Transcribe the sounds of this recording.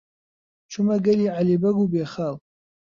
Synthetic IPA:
t͡ʃʷʰʊmaɡaliʕalebaɡubeχal

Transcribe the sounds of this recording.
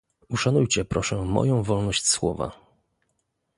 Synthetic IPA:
uʂanujt͡ɕɛpɾɔʂɛmɔ̰jɔ̃w̃vɔlnɔɕt͡ɕswɔva̰

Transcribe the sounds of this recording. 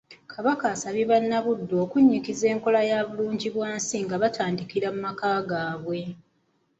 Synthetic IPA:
kʰaβakaːsaβiβanːaβudːo̞ːkuɲːikize̞ːŋko̞lajaːβuluːɲɟiβwaːnsiŋɡaβatʰaːndikiɾamumakaːɡaːβwe̞

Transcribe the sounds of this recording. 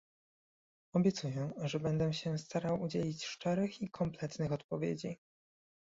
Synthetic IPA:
ɔbʲjɛt̪sujɛʐɛbɛnd̪ɛɕɛst̪aɾawud͡ʑelʲit͡ɕʂt͡ʂɛɾɘxikʰɔmplɛt̪nɘxɔt̪pɔvʲjḛd͡ʑi

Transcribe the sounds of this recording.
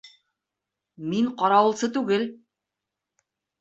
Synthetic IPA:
miɴqɑɾɑwɤ̆lˠsɤt̪ʉɡɘl

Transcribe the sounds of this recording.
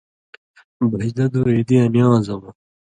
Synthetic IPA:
bɐɕd̪ɐd̪ued̪iɐnjɑ̃ːzɐmɐ

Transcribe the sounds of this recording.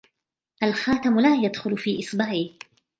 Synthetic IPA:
ʔalxaːt̪amlaːjad̪xʊlfiːʔɪsˤbaːʕi

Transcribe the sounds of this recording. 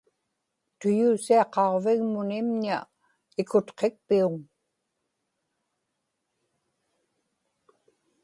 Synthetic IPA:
t̪ʊjuːsiɑqɑʁvɪɣmʊnɪmɲa | ɪkʊt̪qe̞k̚piuŋ

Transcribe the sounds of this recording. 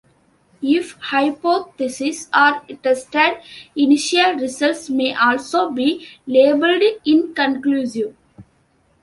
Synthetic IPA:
ɪfhaɪpoːt̪ɪsɪsaːɾʈesʈeɖɪniʃiəlɾɪsəlsmeːʔɔːlsoːbiːleːbəlɖɪ̃nkə̃nkluːziʋ

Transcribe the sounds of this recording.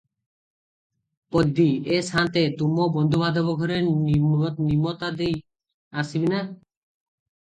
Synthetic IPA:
pɔd̪ːiesant̪et̪umɔbɔnd̪ʱubad̪ɔbɔɡʱɔɾeɾninimɔt̪ad̪ej | asibina

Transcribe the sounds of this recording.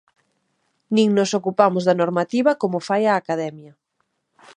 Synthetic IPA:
nĩŋnosokupamʊzðɐnoɾmat̪iβɐkomʊfajaːkaðɛmjɐ

